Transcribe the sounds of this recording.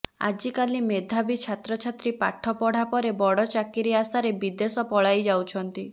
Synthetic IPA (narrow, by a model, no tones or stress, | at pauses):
a̰d͡ʒikalimed̪ʱabit͡ʃʰat̪ɾɔt͡ʃʰat̪ɾipa̰ʈʰːɔpɔɽ̤apɔɾebɔɽɔt͡ʃakiɾiasaɾebid̪esɔpɔɭajd͡ʒawt͡ʃʰɔnt̪i